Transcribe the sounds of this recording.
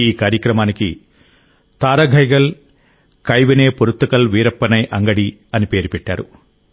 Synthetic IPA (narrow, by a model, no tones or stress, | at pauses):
iːkaːɾjɐkɾɐmaːniki | t̪aːɾɐɡʱɐjɡɐl | kɐjʋɐneːpuɾut̪ːɐkɐlʋiːɾɐpːɐnɐjʔɐŋɡɐɽi | ɐnipe̞ːɾupɛʈːa̰ːɾu